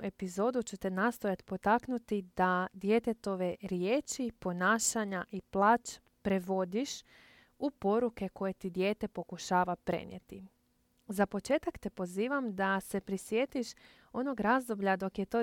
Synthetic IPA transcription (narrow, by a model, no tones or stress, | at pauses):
e̞pizo̞ːd̪ut͡ɕut̪enast̪o̞jat̪po̞t̪aknut̪id̪ad̪jet̪et̪o̞ʋe̞ɾjeːt͡ʃipo̞naːʃaɲaʔiplˠaːt͡ʃ | pɾeʋo̞d̪iʃ | upo̞ɾuke̞ko̞je̞t̪id̪je̞ːt̪e̞po̞kuʃaːʋapɾe̞̰njḛt̪i | zapo̞t͡ʃe̞ːt̪akt̪epo̞ziːʋamd̪ase̞pɾisjeːt̪iʃ | o̞no̞ɡɾazd̪o̞bʎad̪o̞kjet̪o̞